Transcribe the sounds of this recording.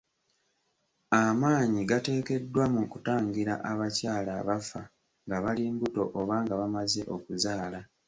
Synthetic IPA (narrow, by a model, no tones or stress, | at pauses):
amaːɲiɡate̞ːke̞dːwamukutaːŋɟiɾa̰ʔaβacaːlaβafa | ŋɡaβaliːŋɡuto̞ʔoβaːŋɡaβamaze̞ʔo̞kuzaːla